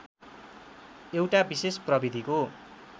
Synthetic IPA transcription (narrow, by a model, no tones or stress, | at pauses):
ewʈabisesprʌbid̪ʱiko